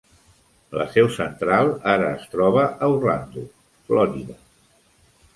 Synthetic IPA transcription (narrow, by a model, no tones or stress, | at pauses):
lə̰sɛwsənt̪ɾalˠaɾəːst̪ɾɔβ̞əʔəurland̪u | flɔɾiðə